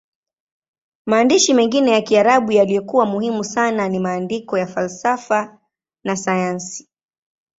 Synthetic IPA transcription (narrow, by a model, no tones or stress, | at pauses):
maːndiʃimɛŋɡinɛjakiaɾaɓujalijɔkuwamuhimusananimaːndikɔjafalsafa | nasajansi̥